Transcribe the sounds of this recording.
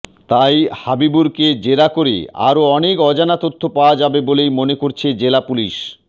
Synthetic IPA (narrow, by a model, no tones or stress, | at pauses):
t̪ajhabibuɾked͡ʑeɾakoɾḛa̰ɾoɔnekɔd͡ʑanat̪ot̪ʰːopaoad͡ʑabebolejmonekoɾt͡ɕʰed͡ʑelapuliʃ